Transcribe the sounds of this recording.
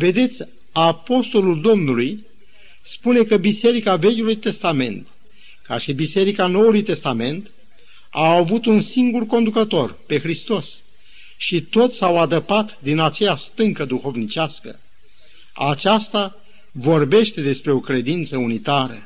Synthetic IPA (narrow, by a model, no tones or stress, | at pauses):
ve̞d̪e̞t̪sʲ | apo̞st̪o̞luld̪o̞mnuluj | spune̞kəbise̞ɾikave̞kʲulujt̪e̞st̪ame̞̰nt̪ | kaʃibise̞ɾikano̞wulujt̪e̞st̪ame̞nt̪ | aːvut̪unsiŋɡurko̞nd̪ukət̪o̞rpe̞xɾist̪o̞s | ʃit̪o̞t̪sʲsawad̪əpat̪d̪inat͡ʃe̞jast̪ɨŋkəd̪uxo̞vnit͡ʃaskə̰ | a̰t͡ʃast̪a | vo̞rbe̞ʃt̪e̞d̪e̞spɾe̞o̞kɾe̞d̪int̪səunit̪aɾə̰